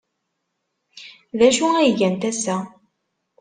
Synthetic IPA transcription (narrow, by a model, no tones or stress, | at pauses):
ðæʃuæjʝænt̪æsæ